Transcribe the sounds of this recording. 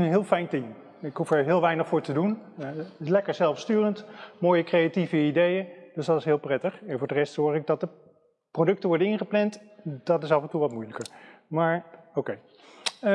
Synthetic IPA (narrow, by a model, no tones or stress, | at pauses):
ənɦɪːlˠfɛjntɪm | ɪkɦufɛɹɦɪːlˠʋɛjnəχfʊːɹtədun | lɛkəɹzɛlˠfstyːrəntmoːjəkrejativəidejənd̥øsdɑtɪsɦɪːlˠprɛtəχɛnvʊːɹdərɛstsɔːχɪɡ̚dɑt̚də | prodɵk̚təʋɔɹdənɪnχəplɛntd̥ɑtɪsɑfəntuʋɑtmujləkəɹ | maːɹowkej